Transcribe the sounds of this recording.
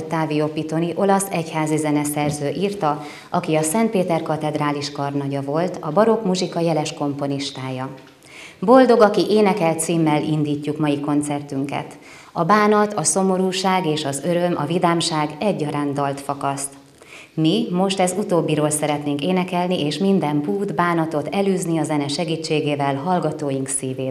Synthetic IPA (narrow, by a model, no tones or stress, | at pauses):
t̪aːvio̞pit̪o̞niʔo̞lɒsɛchaːzizɛnɛsɛrzøːʔirt̪ɒ | ʔɒkiɒsɛnt̪̚peːt̪ɛrkɒt̪ɛd̪raːliʃkɒrnɒɟɒvo̞lt̪ɒbɒɾo̞kmuʒikɒjɛlɛʃko̞mpo̞niʃt̪aːjɒ | bo̞ld̪o̞ɡɒkiʔeːnɛkɛlt̪siːmːɛlind̪iːcːukmɒjiko̞nt̪sɛrt̪yŋkɛ̰t̪ | ɒbaːnɒt̪ɒso̞mo̞ɾuːʃaːɡeːʃɒzø̞ɾømʔɒ̰vid̪aːmʃaːɡɛɟːɒɾaːnd̪ɒlt̪fɒkɒst̪ | mimo̞ʃt̪ɛzut̪oːbːiɾoːlsɛɾɛt̪neːŋkeːnɛkɛlniʔeːʃmind̪ɛmpuːd̪baːnɒt̪o̞t̪ɛlyːzniɒzɛnɛʃɛɡiːt͡ʃːeːɡeːvɛlɦɒlɡɒt̪oːjiŋksiːveːt